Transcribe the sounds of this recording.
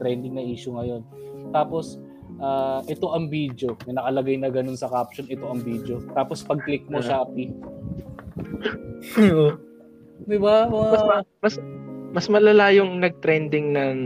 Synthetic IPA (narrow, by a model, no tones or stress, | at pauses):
t̪ɾɛnd̪ɪŋnɐʔiːʃʊŋɐjo̞nt̪aːpo̞s | ʔaːʔɛt̪o̞ʔɐŋbiːd̪o̞nɐnɐkɐlɐɡajnɐɡɐno̞nsɐkap̚ʃonɛt̪o̞ʔɐŋbiːd̪o̞t̪aːpospɐɡ̚klɪk̚moʃaʔɐpi | o | ɪba | mɐsmɐsmɐlɐlajʊŋnɐɡ̚t̪ɾɛnd̪ɪŋnɐŋ